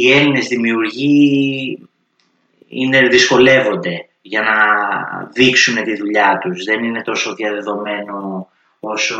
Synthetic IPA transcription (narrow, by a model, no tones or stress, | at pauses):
ie̞line̞zðimiuɾʝi | ḭne̞ðisko̞le̞vo̞nd̪e̞ | ʝɐnɐ | ðiksune̞t̪iðuʎɐt̪uzðe̞nine̞t̪o̞so̞ðiɐðe̞ðo̞me̞no̞ | oso